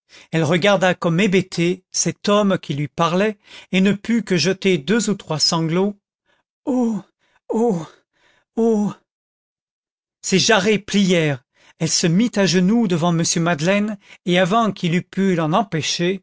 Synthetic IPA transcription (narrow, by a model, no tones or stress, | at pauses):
ɛlʁəɡaʁd̪akɔmebet̪ʰesɛt̪ɔmkʲilɥipaʁlɛenəpykəʒət̪ed̪øzut̪χwasɑ̃ɡlo | o | o | seʒaʁeplijɛʁ | ɛlsəmit̪aʒənud̪əvɑ̃məsjømad̪lɛneavɑ̃kʰilypylɑ̃nɑ̃peʃe